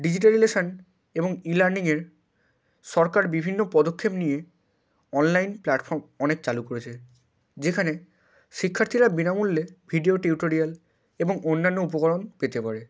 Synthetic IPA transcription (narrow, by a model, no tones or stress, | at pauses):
ɖid͡ʑiʈ̬aɹilesan | ebɔŋilaɹniŋeɹ | sɔɹkaɹbibʱinːopɔd̪okʰːepnije | ɔnlajnplaʈpʰɔɹmɔnek̚t͡ɕalukoɹet͡ɕʰe | d͡ʑekʰane | sikʰːaɾt̪ʰiɾabinamulːebʱiɖioʈiuʈoɹial | ebɔŋonːanːoup̬ɔkɔɹonpet̪epaɹe